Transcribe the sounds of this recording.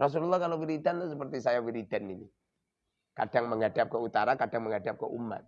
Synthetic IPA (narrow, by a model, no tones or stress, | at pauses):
rɔs̬ululːahkalafiɾit̪antasəpərt̪isajawiɾit̪anini | ka̰daŋməŋadap̚kəut̪aɾakadaŋməŋadap̚kə̰ʔumːa̰t̪̚